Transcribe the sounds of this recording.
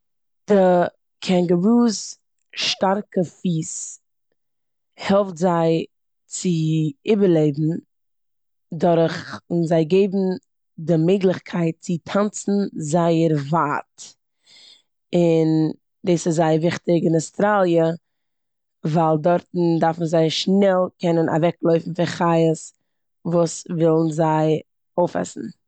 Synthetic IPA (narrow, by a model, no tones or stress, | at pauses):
d̥ɪ | kʰɛŋɡəvuːs | ʃtaɾkəfiːs | hɛlˠftzaɪ | t͡sɪibəɾlˠeɪbm̩ | dɔɾχɪnzaɪɡeɪbm̩ | dɪmeɪɡlˠɪχkʰaɪt̚t͡sɪtʰant͡sn̩zaɪəɾvaːt | ɪn | deːsɪzaɪəɾvɪχtɪɡɪnastɾalˠjə | vaːlˠdɔɾtn̩daɾfmzaɪʃnɛlˠkʰɛnənʔa̰vɛklˠoʏfn̩fɪχaɪəs | vuːsvɪlˠn̩zaɪ | oʊfɛ̰sn̩